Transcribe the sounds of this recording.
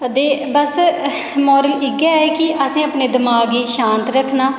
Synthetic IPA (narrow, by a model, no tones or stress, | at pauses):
d̪eːbəs | mɔːɾəlɪɡaːɛːkɪʔəsĩːəpneːd̪ɪmaːɡiːʃãːnt̪ɾəkʰːnaː